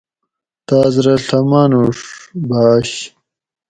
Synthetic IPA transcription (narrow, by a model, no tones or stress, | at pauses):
t̪aːzɾɐɬɐmaːnuʂbaːɕ